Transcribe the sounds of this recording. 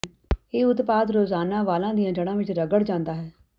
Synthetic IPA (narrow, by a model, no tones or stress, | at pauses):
eːʊt̪paːd̪ɾoːzaːnãːʋaːlãːd̪ijãːd͡ʒəɽ̃ãːʋɪt͡ʃɾəɡəɽd͡ʒãːnd̪aːɦɛː